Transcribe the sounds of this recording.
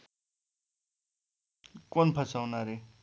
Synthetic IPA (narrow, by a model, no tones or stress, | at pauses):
konpʰʌsawnaɾe